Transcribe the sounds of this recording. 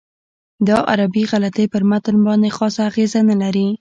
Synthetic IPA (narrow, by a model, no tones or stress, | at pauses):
d̪ɑʔa̰ɾabiɣalat̪epəɾmat̪ənbɑnd̪exɑsaːɣezanalaɾi